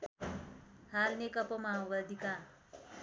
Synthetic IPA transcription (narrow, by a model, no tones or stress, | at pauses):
halnekʌpɔmawbad̪ika